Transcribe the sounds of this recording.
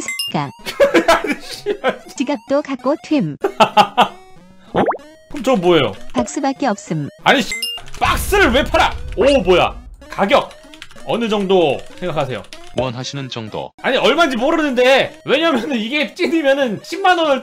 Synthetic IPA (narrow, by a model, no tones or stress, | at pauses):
sʰeiɡ͈a̰ | ɕiat͡ɕiɡak̚t͈okak͈otʰwem | ʌ | kɯmt͡ɕʰʌŋmboejo̰pak̚s͈ubak͈eʌp̚s͈ɯmaɲip͈ak̚s͈ɯɾɯɭwe̞pʰaɾa̰oboja̰kaɡjʌk̚ | ʌnɯd͡ʑʌŋdosʰeŋɡakʰasʰe̞jo̰kuʌnɦaɕʰinɯnd͡ʑʌŋdo̰aɲiʌɭmand͡ʑimoɾɯnɯnde̞we̞ɲamjʌnɯniɡe̞t͡ɕ͈inimjʌnɯnɕʰimːanʌnɯɭ